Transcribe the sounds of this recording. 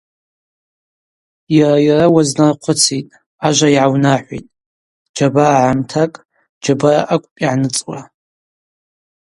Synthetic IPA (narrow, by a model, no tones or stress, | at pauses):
jarajarawaznarqʷʰʊt͡sʰitʼ | aʒʷaiʕawnaħʷḭtʼ | d͡ʒabaʕamtʰakʼ | d͡ʒabaraʔakʷʼpʼiʕnɨt͡sʼwa